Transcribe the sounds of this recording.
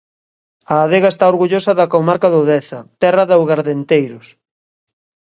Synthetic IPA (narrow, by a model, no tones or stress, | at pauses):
ɐːðeɣɐest̪aoɾɣuʎosɐðɐkowmaɾkɐðʊðɛθɐt̪ɛrɐðawɣaɾðent̪ejɾʊs